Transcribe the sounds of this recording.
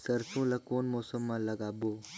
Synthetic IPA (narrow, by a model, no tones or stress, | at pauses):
səɾsũːlɐkoːnmoːsəmːãlɐɡaːboː